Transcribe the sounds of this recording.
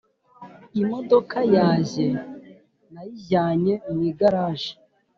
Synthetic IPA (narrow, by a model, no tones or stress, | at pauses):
imodokajaːʒe | najiaːɲemwiːɡaɾaːʒe̥